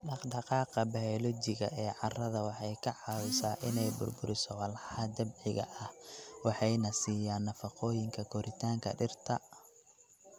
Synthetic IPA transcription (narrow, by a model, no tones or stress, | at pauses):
ɖɑχd̪ɑqɑːqɐbɐɔlɔt͡ʃɪɣɐ̰ʔɛːʕɑrɐðɐwɑħɑjkʰɐʕɑwɪsaːʔɪnɛjbʊ̰rbʊɾɪsɔwɑlħɑd̪ɐbʕɪɣɐ̰ʔɐhwɑħɑjnɐsiːjaːnːɐfɑqɔːjɪŋkʰɐkʰɔɾʔɪt̪ʰaːŋkʰɐ̰ɖɪrt̪ʰɐ